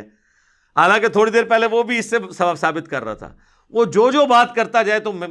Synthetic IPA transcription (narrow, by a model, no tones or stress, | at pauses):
ɦaːlãːket̪ʰoːɽid̪eːɾpɛɦleʋobʱiɪsːesɐasaːbɪt̪kɐɾːa̰a̰t̪ʰa̰ː | ʋod͡ʒoːd͡ʒoːbaːt̪kɐɾt̪ad͡ʒaːet̪om